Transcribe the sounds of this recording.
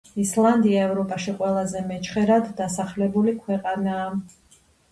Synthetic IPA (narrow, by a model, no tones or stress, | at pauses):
islˠand̪iaɛvɾɔpʼaʃiqʼwɛlˠazɛmɛt͡ʃʰχɛɾad̪ːasaχlɛbulikʰwɛqʼanaː